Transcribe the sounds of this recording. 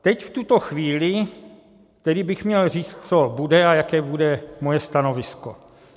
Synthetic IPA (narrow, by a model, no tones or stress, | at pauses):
t̪ɛcft̪ut̪o̞xviːlɪ | t̪ɛɾiːbɪxmɲɛlr̝iːt͡st̪t͡so̞budɛajakɛːbudɛmojɛst̪ano̞vɪsko̞